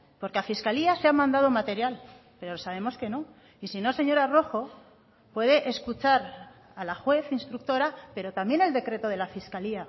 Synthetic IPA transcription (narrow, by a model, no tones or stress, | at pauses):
po̞ɾkeafiskaliaseamãnd̪að̞o̞mat̪e̞ɾjal | pe̞ɾo̞saβ̞e̞mo̞ske̞no̞ | isino̞se̞ɲo̞ɾaro̞xo̞ | pwe̞ð̞eʔeskut͡ʃaɾ | alaxwe̞θinst̪ɾuk̚t̪o̞ɾape̞ɾo̞t̪ambje̞ne̞ld̪e̞kɾe̞t̪o̞ð̞e̞lafiskalia